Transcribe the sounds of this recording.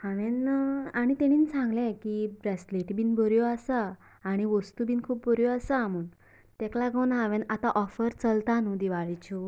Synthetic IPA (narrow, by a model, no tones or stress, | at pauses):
hãʋenaɽ̃it̪ɛ̃ɽ̃iːnsãŋɡlɛ̃kibɾɛsleʈbiːnbʱəɾjɔasaː | ɽ̃iʋəst̪ubʱiːnkʰuːp̚bʱəɾjɔasaamuːn | t̪ɛklaɡəwnɦãʋenat̪ãʔɔfəɾt͡səlt̪anud̪iʋaɭit͡ɕu